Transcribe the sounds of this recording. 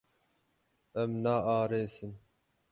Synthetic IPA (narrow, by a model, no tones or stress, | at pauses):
ɛmnaːʔɑːɾeːsɨn